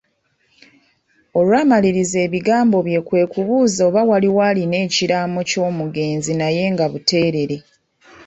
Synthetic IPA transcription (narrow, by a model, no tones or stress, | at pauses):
o̞lwaːmaliɾize̞ːβiɡaːmbo̞βje̞ːkwe̞ːkuβuːzoːβawaliwaline̞ːciɾamo̞co̞ːmuɡe̞ːnzinaje̞ːŋɡaβute̞ːɾe̞ɾe̞